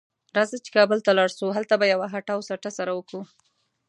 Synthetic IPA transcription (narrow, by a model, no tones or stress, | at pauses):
ɾɑzat͡ʃe̥kɑbəlt̪alɑɽsuɦalt̪abajawaɦaʈawsaʈasaɾawəku